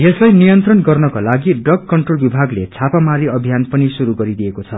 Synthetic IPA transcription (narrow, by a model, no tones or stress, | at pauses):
jeslajnijʌnt̪rʌnɡʌrnʌkalaɡiɖʌkkʌɳʈrolbibʱaɡlet͡sʰapamaɾiʌbʱijanpʌnisuɾuɡʌɾid̪ijekot͡sʰʌ